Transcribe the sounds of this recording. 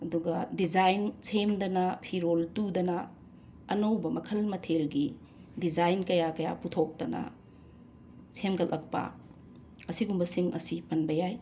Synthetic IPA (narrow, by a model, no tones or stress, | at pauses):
ɐduɡɐdid͡ʒajnsʰemdɐnɐpʰiɾoltudɐnɐː | nɐwbɐmɐkʰɐlmɐtʰelɡi | did͡ʒajnkɐjakɐja̰putʰok̚tɐnɐ̰ | sʰemɡɐlʔɐk̚pɐ̰ | ɐsiɡumbɐsiŋʔɐ̰sipɐnbɐjaj